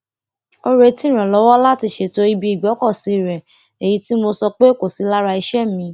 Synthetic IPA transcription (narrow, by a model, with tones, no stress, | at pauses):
o˧ɾe˧tĩ˦˨ɾ̃ɛ̃˨lɔ˨˦wɔ˦la˦ti˧ʃe˦˨to˦i˦bi˧i˨ɡ͡bɔ˨˦kɔ˦˨si˨˧˨ɾɛ˨ | e˨ji˨˦ti˦mo˧sɔ˧k͡pe˦˨ko˨si˨˦la˦ɾa˧i˧ʃɛ˦mĩ˧˦